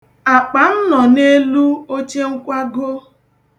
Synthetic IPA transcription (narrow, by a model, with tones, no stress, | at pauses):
a˨k͡pa˨n̩˦nɔ˨ne˦lu˦o˦t͡ʃe˦ŋ̩˦kʷa˦ɡo˦